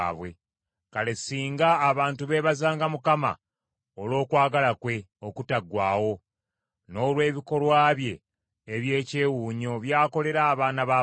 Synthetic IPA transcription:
aβwe̞̰ | kale̞siːŋɡaːβaːntuβe̞βazaːŋɡamukama̰ | olo̞ːkwaːɡalakwe̞ | o̞kutaɡwaːwo̞ | no̞ːlwe̞ːβiko̞lwaːβje̞ː | βje̞ːce̞ːwuːɲo̞βjaːko̞le̞ɾaːβaːnaβa

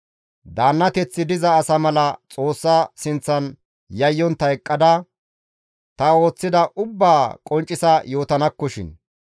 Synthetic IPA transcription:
d̪aːnːɐt̪ɛt͡sːɪd̪ɪzɐːsɐmɐlɐt͡sʼo̞ːsːɐsɪnt͡sːɐn | jɐjːɔnt̪ɐɛkʼːɐd̪ɐ | t̪ɐo̞ːt͡sːɪd̪ɐʔʊbːaːkʼɔnt͡ʃʼːɪsɐjo̞ːt̪ɐnɐkːɔʃɪ̰n

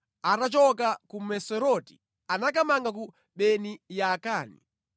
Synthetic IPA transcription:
atat͡ʃɔkakumɛsɔɾɔti̥ | anakamaŋɡak̬u | ɓɛnijakaːnḭ

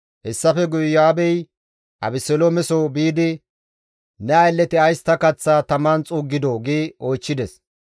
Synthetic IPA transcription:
hɛsːɐfɛɡʊjjaːbɛj | ʔɐ̰bɪsɛlomɛsoːbiːd̪ɪ | nɛɐjlːɛt̪ɪɐjst̪ːɐkɐt͡sːaːt̪ɐmant͡sʼuːɡːɪd̪oɡeːoːjt͡ʃːɪd̪ɛs

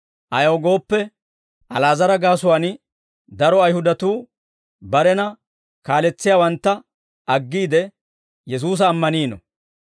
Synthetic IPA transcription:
ʔɐjɐwɡo̞ːpːɛ | ʔɐlaːzɐɾɐɡaːsʊwaːn | d̪ɐɾɔɐjhʊd̪ɐt̪uː | bɐɾɛnɐ | kaːlɛt͡sːɪjaːwɐnt̪ːɐ | ʔɐɡːiːd̪ɛ | jɛs̬uːs̬ɐːmːɐniːnɔ̰

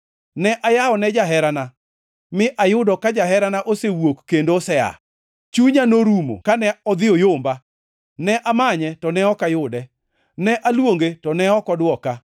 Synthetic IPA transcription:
nɛʔajaɔnɛd͡ʒaɦɛɾana | mɪʔajʊdɔkad͡ʒaɦɛɾanaʔosewokːendosɛa̰ | t͡ʃuɲanoɾumo̰kanɛɔd̪ɪojomba | nɛʔamaɲɛtɔnɛɔkajʊdɛ | nɛʔalwoŋɡetɔnɛɔkɔdwɔka

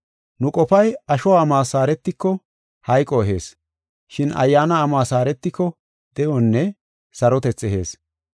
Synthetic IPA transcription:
nʊkʼɔfɐjɐʃɔwaːmaːsaːɾɛt̪ːɪkːɔ | hɐjkʼːɔɛɦe̞ːs | ʃɪnɐ̰jːaːnɐːmaːsaːɾɛt̪ːɪkːɔ | d̪̥ɛjʔɔnːɛ | sɐɾɔt̪ɛt͡sːɛɦe̞̰ːs

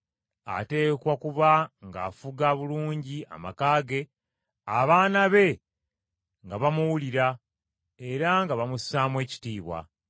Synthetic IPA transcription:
a̰te̞ːkwakuβaŋɡa̰ːfuɡaβuluːɲɟia̰makaːɡe̞ | aβaːnaβe̞ | ŋɡaβamuwuliɾa | e̞ɾaŋɡaβamusaːmwe̞ːci̥tiːβwa̰

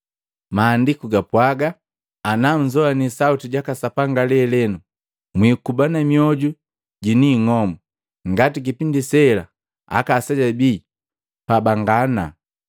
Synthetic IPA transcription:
maːndikuɡapwaɡaː | nam̩d͡ʒɔanisautiɟakasapaŋɡalɛlɛnu | mwikubanamiɔɟu | ɟiniːŋɔmu | ŋɡatik̬ipindisɛla̰ | a̰kasaɟabiː | pabaŋɡana̰

